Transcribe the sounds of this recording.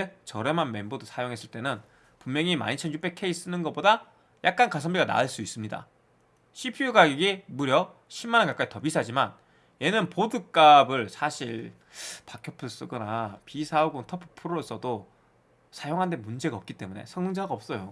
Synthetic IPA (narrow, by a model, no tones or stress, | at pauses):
et͡ɕʌɾe̞manme̞nbodosʰajoŋɦe̞s͈ɯɭt͈e̞nɯn | pumːjʌŋima̰ɲit͡ɕʰʌnjup͈ʰekʰe̞is͈ɯnɯnɡʌp͈oda | jʔak̚k͈ankas̬ʰʌmbiɡana̰ɯɭs͈uis͈ɯmɲida̰ | ɕʰipʰiuɡaɡiɡemuɾjʌ | ɕʰimːanɯkak͈aitʌbisʰad͡ʑiman | je̞nɯnpodɯk͈abɯɭsʰaɕʰiɭ | pakʰjʌpʰɯɭs͈ɯɡʌnapisʰauɡotʰʌpʰɯ̥pʰɯɾoos͈ʰʌdo | sʰajoŋɦande̞mund͡ʑe̞ɡaʌp̚k͈it͈e̞mune̞̰sʰʌŋŋd͡ʑaɡaʌp̚s͈ʌjo